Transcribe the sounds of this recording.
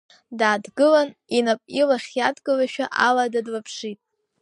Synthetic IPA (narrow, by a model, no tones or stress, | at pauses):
daːdɡɨlaninapʼilaχʲjadɡɨlaʃᶣaʔaladadlapʰʂitʼ